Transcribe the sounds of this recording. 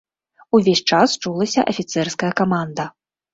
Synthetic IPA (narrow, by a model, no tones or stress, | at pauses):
uvʲesʲt͡ʂast͡ʂulˠɐsʲɐʔɐfʲit̪sɛrskɐjɐkamand̪ɐ